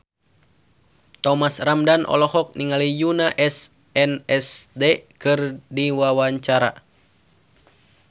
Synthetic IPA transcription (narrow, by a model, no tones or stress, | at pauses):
t̪ɔmasramdanʔɔ̰lɔhɔk̚niŋalijunaʔɛs | ɛnɛsdɛkɨrdiwawaɲt͡ʃaɾa̰